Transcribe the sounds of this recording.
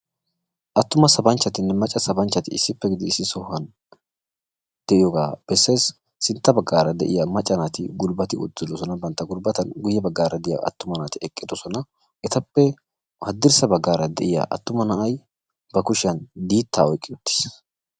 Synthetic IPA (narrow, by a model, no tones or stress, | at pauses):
ʔɐt̪ːʊmɐsɐbɐnt͡ʃːɐt̪ɪnːɛmɐt͡ʃʼːɐsɐbɐnt͡ʃːɐt̪ɪɪ̰sːɪpːɛɡɪd̪ɪɪsːɪsɔhːɐn | d̪̥ɛʔɪjɔɡa̰ːb̥ɛsːe̞ːsː | ɪnt̪ːɐbɐɡːaːɾɐd̪ɛ̰ʔɪjɐmɐt͡ʃʼːɐnaːt̪ɪɡʊlbɐt̪ɪʊ̰d̪ːɪlːɔsɔnɐbɐnt̪ːɐɡʊlbɐt̪ɐnɡʊjːɛbɐɡːaːɾɐd̪ɪja̰ʔɐ̰t̪ːʊmɐnaːt̪ɪɛkʼːɪd̪ɔsɔnɐ | ʔɛt̪ɐpːɛ | hɐd̪ːɪɾsɐbɐɡːaːɾɐd̪ɛʔɪja̰ʔɐ̰t̪ːʊmɐnɐʔɐj | bɐkʊʃɪɐnd̪iːt̪ːaːɔjkʼːɪʊt̪ːɪ̥s